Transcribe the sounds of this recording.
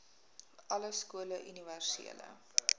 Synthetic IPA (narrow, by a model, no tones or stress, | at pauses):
ʔɐləskuələʔyniværsḭələ̰